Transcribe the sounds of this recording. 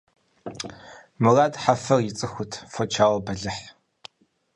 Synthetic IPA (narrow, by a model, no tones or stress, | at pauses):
mɨraːdħafɐrjɪt͡sʼɨxʷʊtʰfɔt͡ʃʰaːwɐbɐɮɨħ